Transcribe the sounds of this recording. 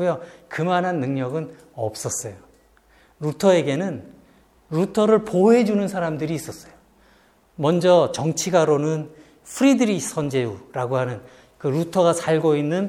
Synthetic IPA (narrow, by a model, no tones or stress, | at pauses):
ujokɯmanɦanːɯŋɲʌɡɯn | ʌp̚s͈ʌs͈ʌjo | ɾutʰʌe̞ɡe̞nɯn | ɾutʰʌɾɯɭpoɦe̞d͡ʑunɯnsʰaɾamdɯɾiːs͈ʌs͈ʌjo | mʌnd͡ʑʌt͡ɕʌŋt͡ɕʰiɡaɾonɯn | pʰuɾidɯɾis͈ʰʌnd͡ʑe̞uɾaɡoɦanɯn | kɯɾutʰʌɣasʰaɭɡoinːɯn